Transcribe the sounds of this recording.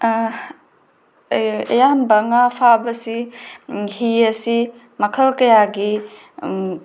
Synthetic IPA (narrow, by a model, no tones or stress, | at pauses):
ejanbɐŋapʰabɐsi | hiɐsi | mɐkʰɐlkɐjaɡi